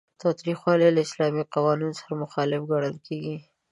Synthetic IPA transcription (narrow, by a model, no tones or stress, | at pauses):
t̪ɑt̪ɾixwɑlelaɪslɑmiqawɑninsḁɾamʊxɑlɪfɡaɽ̃əlkʰeɡi